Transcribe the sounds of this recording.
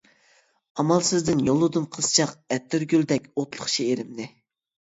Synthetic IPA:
ɑmɑlˠsɪzd̪ɪnjolˠːɨd̪ɨmqʰəsɨ̥t͡ʃʰɑqɛt̪ʰːyɾɡʲyld̪ɛkʲot̪lˠəχt͡ʃʰieɾɪmnɪ

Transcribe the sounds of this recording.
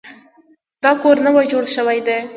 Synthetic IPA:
d̪ɑkoɾnawajd͡ʒoɽʃəwajd̪e

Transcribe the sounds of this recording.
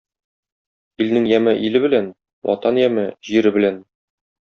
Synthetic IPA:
ilnɘŋjæmɘʔilɘbɘ̆læn | wʔɒ̰t̪ɑnjæmɘʑiɾɘbɘ̆læn

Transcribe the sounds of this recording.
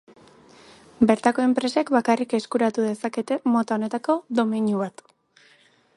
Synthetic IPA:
be̞ɾt̪ako̞e̞mpɾe̞sekβakarike̞skuɾat̪uðe̞sake̞t̪e̞mo̞t̪ao̞ne̞t̪ako̞ðo̞miɲuβat̪

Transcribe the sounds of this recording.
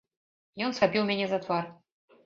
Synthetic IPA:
jɔnsxabʲiwmʲɛnʲɛzɐt̪var

